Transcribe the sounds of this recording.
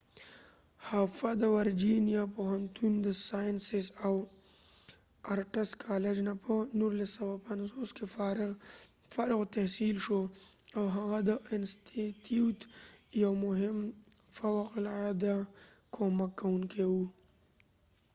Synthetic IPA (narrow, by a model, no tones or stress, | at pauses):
hafad̪əwaɾd͡ʒinijapoɦant̪und̪əsajnsɪsaw | aɾʈɪskʰɑled͡ʒnapʰənuɾlasːawapanzoske | faɾɪɣt̪ahsilʃoawɦaɣad̪əʔɪnst̪ʰit̪jut̪jawmʊɦɪm | fawaqlad̪akʰomakːawuŋkʰewu